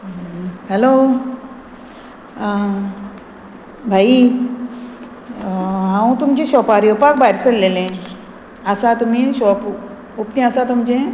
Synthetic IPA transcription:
hɛlo | bʱai | ɦãw̃t̪umt͡ɕeɕɔpaɾiopak̚bajɾsəllːelẽ | əsat̪umĩɕɔp | upt̪ẽəsat̪umt͡ɕẽ

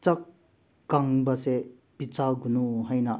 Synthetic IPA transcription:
t͡sakː | aŋbase | pit͡saɡunuɦajna

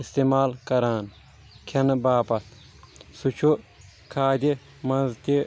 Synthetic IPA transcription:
ist̪emaːlkɐɾaːn | kʰɐnɐbaːpɐt̪ʰ | sut͡ʃʰu | kʰaːd̪ʲi | mɐnzt̪i

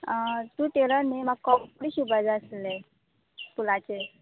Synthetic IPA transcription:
t̪uːʈeləɾnemaɡ̚kɔɽiːɕubəd͡zəsle | p̪ulat͡ɕe

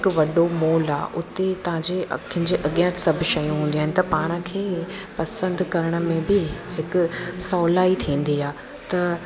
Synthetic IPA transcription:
ɪkʊ̆ʋɐɗomoːla̰ːʔʊt̪et̪ɐʋ̤ãd͡ʑekɪ̃ɲd͡ʑeʔɐɠjãt̪sɐbʱʃɐjũɦũːnd̪iaːɪnɪ̆t̪ɐpaːɽ̃ə̆kʰeːpɐsə̃nd̪kɐɾəɽ̃ə̆mẽbɪɦɪkʊ̆sɔːlaːit̪ʰĩːn̆d̪iaː | t̪ɐ

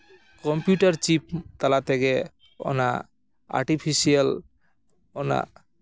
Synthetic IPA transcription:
kɔmpjuʈaɾt͡ɕip̚t̪alat̪ʰeke | o̰na̰ | a̰ɾʈipʰiʃial | ona̰

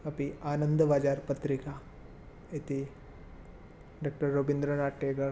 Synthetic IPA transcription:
ɐpiaːnənd̪əʋaːd͡ʒaːɾpɐt̪ɾika | it̪i | ɖaːk̚ʈəɾːoːbind̪ɾənaːʈːeːɡɐɾ

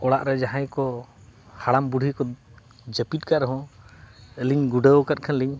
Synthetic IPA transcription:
ɔɽaʔɾɛd͡ʒaɦãjkɔ | haɽambuɖʱikɔ | d͡ʒəpit̪̚ˀkaʔɾɛɦɔ̃ | əliɲɡuɖəkat̚ˀkʰanliɲ

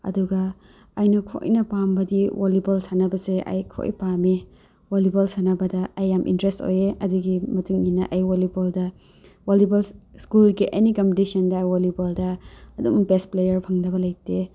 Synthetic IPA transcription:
ɐ̰duɡɐː | jnɐkʰo̰jnɐpambɐdiwolibolsanɐbɐseʔɐ̰jkʰo̰jpame | wolibolsanɐbɐdɐɐjːamʔḭntɾesto̰jeɐduɡimɐtuŋinɐʔɐjwoliboldɐ | walibɐlskulɡiʔenikɐmptisɐndɐːjwoliboldɐːdumbesplejɐɾpʰɐŋdɐbɐlɐjte

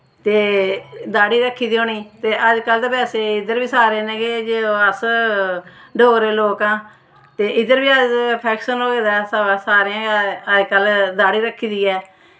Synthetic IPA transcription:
t̪eːd̪aːɽiːɾəkʰːiːd̪ioːɳiːt̪eːʔəd͡ʒkəld̪eːpɛːseːɪd̪əɾbiːsaːɾeːneːɡeːd͡ʒəs | ɖʱoːɡɾeːloːkãː | t̪eːʔɪd̪əɾbiːəd͡ʒpʰɛːkʃənoːɡeːd̪aːssaːɾeãːəd͡ʒkəld̪aːɽiːɾəkʰːiːd̪iːɛː

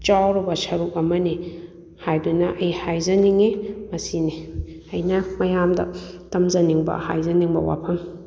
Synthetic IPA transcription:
t͡ʃawɾɔbɐsɐɾuk̚ɐmɐni | hajdunɐʔɐjhajzɐniŋemɐsini | ɐjnɐmɐjamdɐ̰tɐmzɐniŋbɐ̰ha̰jzɐniŋbɐ̰wa̰pʰɐm

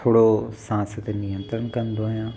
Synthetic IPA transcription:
t̪ʰoːɽosãːst̪enijə̃nt̪ɾən̆kɐ̃nd̪oijãː

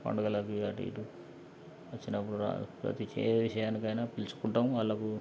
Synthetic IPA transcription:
pɐ̰ɳɖɐɡɐlakiaʈḭːʈu | ʋɐt͡ʃːinɐpːuɽuɾa̰pɾɐ̰t̪it͡ʃḛːʋiʂɐjaːnikɐjnaːpilt͡ʃu̥kuɳʈɐmʋɐɭːɐku

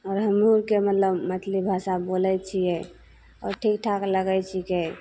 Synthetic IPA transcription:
ɔːɾɦəmɾuɾkemət̪ləbmət̪ʰlibʱasabolɛt͡ʃʰijɛ | ɔ̰ːɾʈʰikʈʰakləɡɛt͡ʃʰike

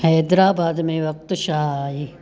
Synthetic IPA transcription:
hɛːd̪ɾaːbaːd̪mẽʋɐk̚t̪ʃaːɦi

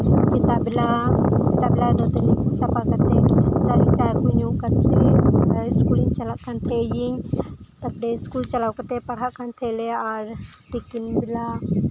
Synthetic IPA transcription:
sit̪abilasit̪abilad̪ɐd̪ɐnsɐpakɐt̪et͡ʃaɾit͡ʃajkuɲũkɐt̪e | skuliɲt͡ʃɐlaʔkɐnt̪ʰejiɲt̪ɐpɽeskuːlt͡ʃɐlawkɐt̪epɐɽ̤aʔkɐnt̪ʰeleaɾ | t̪ikinbila

